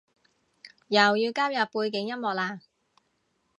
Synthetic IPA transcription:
jɐ˨˩wjiː˧wkaː˥wjɐ˨pːuː˧jkɪ˨˥ŋjɐ˥mɔː˨k̚laː˧

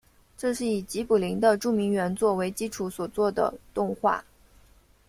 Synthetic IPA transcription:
ʈ͡ʂɤ˥˧ʂɻ̩˥˩i˨˩t͡ɕi˧˥pu˨˩li˧˥ŋd̪ə˧ʈ͡ʂu˥˩mi˧˥ŋɥɛ˧˥nt͡swɔ˥˩we˧˥ɪt͡ɕi˥ʈ͡ʂʰu˧˥swɔ˨˩t͡swɔ˥˩d̪ə̰˩t̪ʊ˥˧ŋxwa̰˥˩

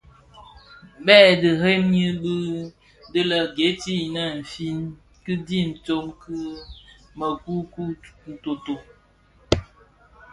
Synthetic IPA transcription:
ɓɛ˦˨dɨ˨ɦe˦mɲi˦bɨ˦ | dɨ˦lə˨ɡe˨˦ti˦˨nə˦˨n̩˨fi˦n | kɨ˦di˦n̩˨t͡so˦mkɨ˦ | mə˨ku˦ku˦n̩˨to˨to˨

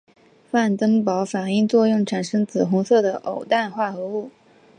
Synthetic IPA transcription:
fa˥˩nt̪ɤ˥ŋpɑ˧˥ʊfa˨˩ni˥˧ŋt͡swɔ˥˧jʊ˥˩ŋʈ͡ʂʰa˨˩nʂɤ˥ŋt͡sɹ̩˨˩xʊ˧˥ŋsɤ˥˩d̪ə˩ʔo˨˩ʊt̪a˥˧nxwa˥˩xɤ˧˥u˥˩

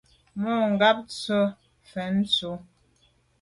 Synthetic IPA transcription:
mo˦˨ŋ̩˨ɡa˦p̚t͡sə˦ | fɛ˨˦n˦t͡so˨˦

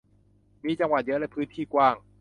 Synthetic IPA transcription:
miː˧˩t͡ɕa˧ŋwa˨˩t̪̚jɤ˦˥lɛ˦˥pʰɯː˦˥nt̪ʰiː˥˩kwaː˥˩ŋ

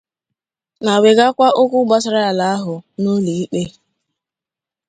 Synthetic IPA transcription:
na˨we˨ɡa˦kʷa˦ʔʊ˦kʷʊ˦ɡ͡ba˦sɪ˦ɾa˦a˨la˨a˦ɦʊ˨no˦li˨i˦k͡pe˦

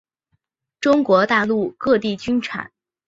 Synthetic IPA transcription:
ʈ͡ʂʊ˥ŋkwɔ˧˥t̪a˥˧lu˥˩˧kɤ˥˧t̪i˥˩t͡ɕy˥nʈ͡ʂʰa̰˨˩˦n

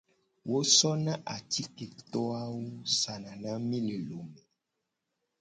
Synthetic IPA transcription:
wʔo˦sɔ˦nã˦ʔa˨ti˦ke˨t̪ɔ˦a˦wo˦sa˨nã˨nã˦mĩ˦le˨lo˨mɛ̃˨

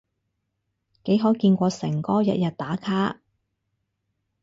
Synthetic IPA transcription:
ke˨˥jɦoː˨˥kiː˧nkʷɔː˧sɛ̰˨˩ŋkɔː˥jɐ̰˧t̚jɐ˨t̚t̪aː˨˥kʰaː˥

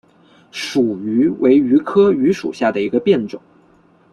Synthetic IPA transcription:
ʂu˨˩y˧˥wʔe˧˥ɪy˧˥kʰɤ˥y˧˥ʂṵ˨˩ɕja˥˩d̪ə˩i˧˥ɡə˧pjɛ˥˩nʈ͡ʂʊ̰˨˩˦

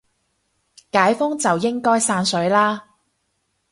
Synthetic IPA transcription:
kaː˨˥jfʊ˥ŋt͡sɐ˨wjɪ˥ŋkɔː˥jsaː˧nsɵ˨˥ɥlaː˥

